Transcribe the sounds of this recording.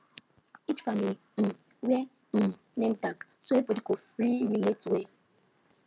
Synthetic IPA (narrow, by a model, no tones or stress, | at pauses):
it͡ʃfamilim̩ | wje | m̩ | nem̩taksoepodikofɾiɾiletwe